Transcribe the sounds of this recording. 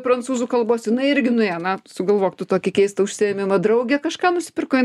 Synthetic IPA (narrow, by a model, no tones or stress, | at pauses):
pɾɐnt͡suːzukɐlˠboːsjɪnɐɪɪɾʲɡʲɪnʊeːnɐsʊɡɐlˠʋoːkt̪ʊt̪oːkʲɛkʲɛɪst̪ɐʊʃʲsʲɪɛmʲɪmɐd̪ɾɐʊɡʲɛkɐʃkɑːnʊsʲɪ̥pʲɪrkoːɪ